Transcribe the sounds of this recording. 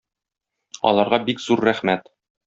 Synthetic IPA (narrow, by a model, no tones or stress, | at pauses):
ɒ̰lˠɑɾʁɑbikzuɾːæχmæt̪